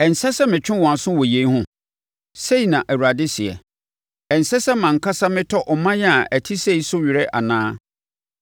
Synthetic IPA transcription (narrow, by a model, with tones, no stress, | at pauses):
ɛ˨n̩˨sɛ˦sɛ˦mɪ̃˨t͡ɕᶣɪ̃˦wɔ̃˨sʊ̃˦wɔ˨je˨i˦ɦʊ̃˦ | se˦i˨nã˨ʔæ˨wu˨ɾa˨dɪ˦si˨ɛ̰˨ | ɛ˨n̩˨sɛ˦sɛ˦mã˨ŋ˨kʰa˦sa˦mɪ̃˦tʰɔ˦ʔɔ˨mã˦jɛ˦a˨ʔæ˨tʰi˦se˦i˨sʊ˦ɥɪ˨ɾɛ˦ʔa̰˨nãː˦